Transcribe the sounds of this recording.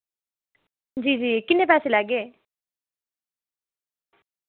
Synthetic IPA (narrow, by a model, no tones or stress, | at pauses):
d͡ʑiːd͡ʑiːkɪnːepɛːselaɡe